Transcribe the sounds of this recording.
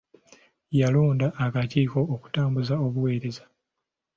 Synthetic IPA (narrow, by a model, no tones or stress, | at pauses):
jaluːndaʔːkaciːko̞ːku̥taːmbuzao̞βuwe̞ːɾe̞zḁ